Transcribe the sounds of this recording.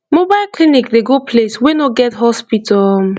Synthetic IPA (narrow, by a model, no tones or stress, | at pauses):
mobaɪlklinikdeɡopʰleswinoɡɛtɦɔspitʰɔl